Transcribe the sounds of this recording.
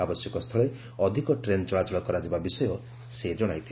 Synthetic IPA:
abɔsjɔkɔst̪ʰɔɭe | ɔd̪ʱikɔʈɾent͡ʃɔɭat͡ʃɔɭɔkɔɾad͡ʒibabisɔjɔ | sed͡ʒɔɽ̃ajt̪ʰi

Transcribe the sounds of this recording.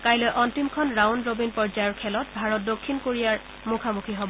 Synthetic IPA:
kajlɔjʔɔntimkʰɔnɹawnɹobinpɔɹzajɔɹkʰɛlɔt̚bʱaɹɔt̚dokʰːinkoɹijaɹ | mukʰamukʰiɦobɔ

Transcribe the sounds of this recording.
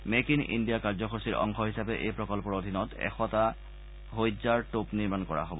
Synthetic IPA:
mekinḭndijakaɹzɔxʰosiɹʔɔ̰ŋkʰɔɦisapɛʔejpɹɔkɔlpɔɹodʱinɔtɛ̰xɔta | ɦojzaɹtopniɹmankɔɹa̰ɦobɔ

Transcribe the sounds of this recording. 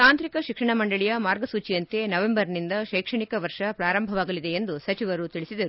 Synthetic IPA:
t̪aːnt̪ɾikɐʃikʂɐɳɐmɐɳɖɐɭijɐmaːɾɡɐsuːt͡ʃijɐnt̪e̞nɐʋembɐɾnind̪ɐʃɐjkʂɐɳikɐʋɐɾʂɐpɾaːɾɐmbʱɐʋaːɡɐlid̪e̞end̪usɐt͡ʃiʋɐɾut̪iɭisid̪ɐɾu

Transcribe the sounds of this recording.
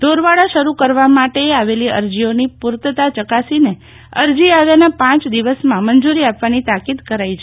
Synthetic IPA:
d̪̥ʱoɾʋaɽaʃəɾukəɾʋamaʈeaʋeliə̰ɾd͡ʒionipuɾt̪ət̪at͡ʃəkasine | əɾd͡ʒiaʋjanapãt͡ʃd̪iʋəsmãmənd͡ʒuɾiapʋanit̪akid̪kəɾait͡ʃʰe

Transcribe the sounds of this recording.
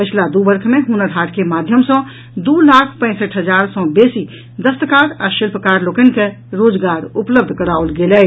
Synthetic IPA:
pət͡ʃʰlad̪ubəɾkʰmẽɦunəɾɦaʈkemad̪ʱjəmsə̃ | d̪ulakʰpə̃ɪsəʈʰɦəd͡ʒaɾsɔ̃besi | d̪əst̪əkaɾaʃilpʰəkaɾlokənke | ɾod͡ʒɡaɾupləb̚d̪ʱkəɽaolɡelɛ

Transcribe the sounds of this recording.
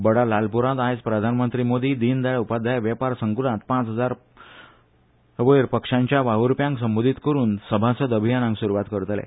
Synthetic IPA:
bəɽalalpuɾãt̪ajd͡zpɾəd̪ʱanmənt̪ɾimod̪iːd̪iːnd̪aɭupad̪ʱːajʋjɛpaɾsəŋɡulãt̪pãt͡sɦəd͡zaɾ | əʋəɾpəkʂãɲt͡ɕjaʋaɦuɾpjãŋksəmbod̪ʱit̪kəɾuːnsəbʱasəd̪əbʱijanãŋɡsuɾuʋat̪kəɾt̪lɛ̰

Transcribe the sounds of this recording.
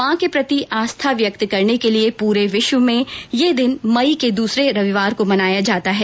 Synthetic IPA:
ãːkepɾɐt̪iʔaːst̪ʰaʋjɐk̚t̪kɐɾnekeliepuːɾeʋɪʃʋəmẽjed̪ɪnmɐiked̪uːsɾeɾɐʋɪʋaːɾkomɐnaːjad͡ʒaːt̪aɦɛː

